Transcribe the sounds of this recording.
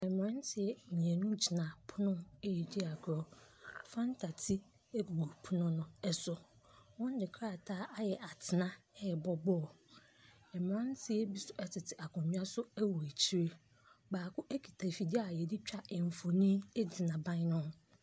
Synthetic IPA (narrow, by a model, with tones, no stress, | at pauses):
ɛ˨m˨ɔ̃˦n˦tʰɪ˨ɛ˦˨ɲ˨ɛ̃˨nũ˦t͡ɕʰi˨nã˨pʰʊ˦nʊ̃˦e˦ji˨di˦a˨kʰɾɔ˦fã˦n˦tʰa˨tʰi˦ | e˦bu˨ɡu˨pʰʊ˦nʊ̃˦nʊ̃˦ɛ˨sʊ˨wɔ̃˦n˦dɪ˨kʰɾa˦˨tʰaː˦ʔa˦jɛ˨ʔa˨tʰɪ˨nã˦ɛ˦ɛ˨bɔ˦bɔ˦ɔ˨ | ɛ˨m˨ɔ̃˦n˦tʰɪ˦ɛ˦bi˦sʊ˦ɛ˦tʰɪ˨tʰɪ˨ʔa˨kʰɔ̃˨ɲɪ̃˦a˦sʊ˦æ˦wɔ˨e˨t͡ɕʰi˦ɾe˦ | baː˨kʰʊ˦ʔe˦kʰi˨tʰa˨fi˨di˦a˨jɛ˨dɪ˦t͡ɕᶣa˦˨ɛ˨mɱ˨fo˨nĩ˦e˦d͡zɪ˨nã˨bã˦nʊ̃˦n